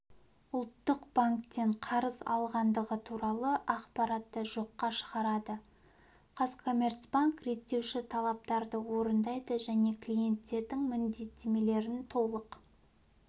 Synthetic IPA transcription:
ʊlˠt̪ːəqb̥aŋk̚t̪ːe̞ɴqʰɑɾəzɑ̰lˠʁɑnd̪əʁət̪ʰuɾɑlˠəʔɑqpɑɾɑt̪ːəʒo̞qːɑʃə̥ʁɑɾɑd̪ə | qʰɑskʰo̞mʲe̞rt̪sbaŋkɾe̞t̪ːe̞wʃɪt̪ʰɑlˠɑp̚t̪ɑɾd̪əwo̞ɾənd̪ɑjd̪əʒæne̞kʰlʲije̞nt̪ːe̞ɾd̪ɪŋmɪnd̪e̞t̪ʰːe̞me̞le̞ɾɪnt̪ʰo̞lˠəq

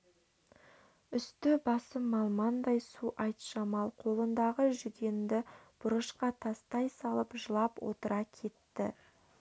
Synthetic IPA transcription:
ʏst̪ɪbɑsəmːɑlˠmɑnd̪ɑjsuʔɑjt̪ʃɑmɑlˠqʰo̞lˠənd̪ɑʁəʒʏɡʲend̪ɪb̥ʊɾəʃqɑt̪ʰɑst̪ɑjsɑlˠəpʒəlˠɑpwo̞̰t̪əɾɑkʲʰe̞t̪ːɪ̰

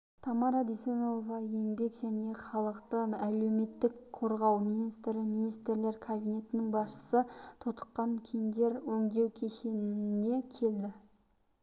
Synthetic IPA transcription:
t̪ʰɑmɑɾɑd̪esenolˠovɑjembe̞kʒæne̞χɑlˠəqt̪əæle̞wme̞t̪ːɪkqʰo̞ɾʁɑwmijnijst̪ɾɪminijst̪ɾle̞ɾkʰabijnʲe̞t̪ɪnɪŋbɑsʃə̥sət̪ʰot̪ə̥qːɑŋkʲʰend̪e̞ɾwɵzɡ̪ʲe̞wkʲʰe̞ʃe̞nɪe̞kʲʰe̞ld̪ɪ

